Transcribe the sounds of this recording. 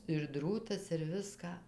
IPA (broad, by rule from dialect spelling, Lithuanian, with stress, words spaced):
ɪr ˈdruːtɐs ɪr ˈʋʲɪskɑː